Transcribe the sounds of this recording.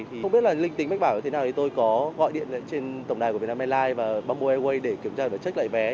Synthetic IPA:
t̪ʰi˨˩ə˧wŋ͡mɓi˦˥ət̚laː˨˩lï˧ŋ̟t̪i˨˦ma˦˥k̚ɓaː˧˩wɲi˧t̪ʰe˦a˨˩wt̪ʰi˨˩t̪o˧jkɔ˨˦ɣɔ̰˧˨jɗḭ˧˨ənlə̰˧˥t͡ɕe˧nt̪ə˧˩wŋ͡mɗa˨˩jknaː˧mɛ˧laː˧jvaː˨˩ɓaː˧mu˧ʔɛ˧wə˧jɗe˧˩ki˧˩əmt͡ɕaː˧vaː˨˩t͡ɕə˦˥t̚la̰ː˧˨jvɛ˨˦

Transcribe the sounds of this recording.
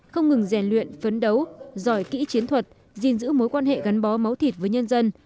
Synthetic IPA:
xə˧wŋ͡mŋɨ˨˩ŋzɛ˧˩nlwḭ˧˨ənfə˨˦nɗə˨˦wzɔ˧˩jkḭ˧˥t͡ɕi˨˦ənt̪ʰwə˨˩t̚ | zi˧˩nzɨ̰˧˥mo˨˦jkwaː˧nhḛ˧˨ɣa˨˦jnɓɔ˨˦ma˨˦wt̪ʰi˨˩t̚vəː˨˦jɲə˧nzə˧n

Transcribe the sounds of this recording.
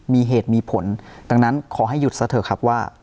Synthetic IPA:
miː˧ɦeː˨˩t̪̚miː˧pʰo˩˦nd̪aː˧ŋna˦˥nkʰɔː˩˦ɦa˥˩jːu˨˩t̪̚sa˧˥t̪ʰɤː˨˩˦kʰa˦˥p̚waː˥˩

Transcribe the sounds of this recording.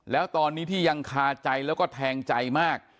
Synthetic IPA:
lɛː˦˥wt̪ɔː˧nːiː˦˥t̪ʰiː˥˩ja˧ŋkʰaː˧t͡ɕa˧jlɛː˦˥wkɔː˥˩t̪ʰɛː˧ŋt͡ɕa˧jmaː˥˩k̚

